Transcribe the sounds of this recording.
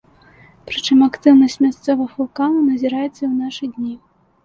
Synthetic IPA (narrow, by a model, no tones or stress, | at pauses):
pɾɨt͡ʂɨmakt̪ɨwnɐsʲtʲmʲast̪sɔvɐfulˠkanɐnɐzʲiɾajɛt̪sːɐiwnaʂɨd̪ʲnʲi